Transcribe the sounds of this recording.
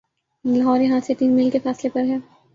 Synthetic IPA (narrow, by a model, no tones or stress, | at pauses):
lɐɦɔːɾjɐɦãset̪iːnmɪlkefɛːslepɐɾɦɛː